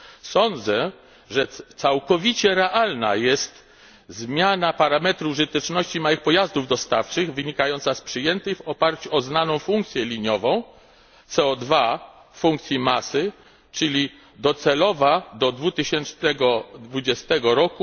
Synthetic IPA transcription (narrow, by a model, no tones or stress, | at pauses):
sɔnd̪zɛ | ʐɛt̪sawkɔvʲit͡ɕɛɾɛʔalna̰jɛst̪ | zmʲjanapaɾamɛt̪ɾuʐɘt̪ɛt͡ʂnɔɕt͡ɕimawɘxpɔjazd̪uvd̪ɔst̪aft͡ʂɘɣvɘɲikajɔnt̪saspʂɘjɛnt̪ɘxvɔpaɾt͡ɕuɔznanɔ̃w̃fuŋk̚t̪sʲjɛlʲiɲɔvɔ̃w̃ | t̪sɛɔd̪va | fuŋk̚t̪sʲjimasɘ | t͡ʂɘlʲi | d̪ɔt̪sɛlɔvad̪ɔd̪vut̪ɘɕɛnt͡ʂnɛɡɔd̪vud͡ʑɛst̪ɛɡɔɾɔku